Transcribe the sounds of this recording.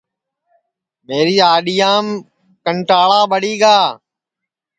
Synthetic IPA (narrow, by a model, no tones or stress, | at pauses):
meːɾiːaːɗijaːm | kəɳʈaːɭaːɓəɽiːɡaː